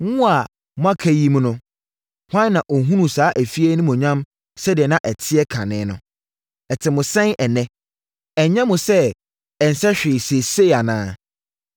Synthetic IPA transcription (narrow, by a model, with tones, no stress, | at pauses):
ŋũ˦a˨ | m˦ã˦kʰæ˦ji˦m̃˦nʊ̃˦ | hʷã˦nː˦ã˨ʔɔ˨ɦũ˦nũ˨saː˨˦ʔæ˨fi˦ɛ˦nʊ̃˦mʊ̃˨ɲã˦m | sɛ˦dɪ˨ɛ˨nã˦ʔɛ˨tʰɪ˦ɛ˦kʰã˨nɪ̃ː˨˦nʊ̰̃˨ | ɛ˨tʰɪ˨mʊ̃˨sɛ̃˦nʔɛ˨nɛ̃˦ | ɛ˨˦ɲã˦mʊ̃˨sɛ˦ | ɛ˨n̩˨sɛ˦ɕᶣɪ˨se˨se˦˨a˨nãː˦